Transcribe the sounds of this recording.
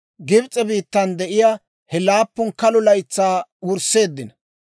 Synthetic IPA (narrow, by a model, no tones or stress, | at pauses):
ɡɪbt͡sʼːɛbiːt̪ːɐnd̪ɛʔɪjaː | hɛlaːpːʊnkɐlʊlɐjt͡sːaːʊɾse̞ːd̪ːɪnɐ